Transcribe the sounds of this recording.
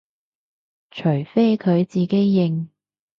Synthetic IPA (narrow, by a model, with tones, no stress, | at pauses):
t͡ʃʰɵ˨˩jfe˥kʰɵ˨˧ɥt͡siː˨ke˥jːɪ˨˩ŋ